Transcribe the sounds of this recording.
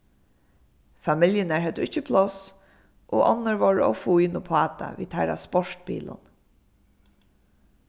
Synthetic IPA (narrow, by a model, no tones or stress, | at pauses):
famɪljənæɹɦɛt̪ʊɪt͡ʃːəpʰlɔs | ʔoːʔɔnːəɹʋɔɹɔ̰fuiːnʊpʰɑːt̪a̰ʋḭːd̪hæɾa̰spɔʂt̪bḭːlʊ̰n